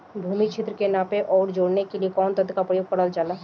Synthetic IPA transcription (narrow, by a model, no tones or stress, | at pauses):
bʱuːmit͡ʃʰɪt̪ɾəkenaːpeʔɔːɾd͡ʒoːɽnekeliekɔːnt̪əd̪ʱkapɾəjoɡ̚pɐɽəld͡ʒaːlaː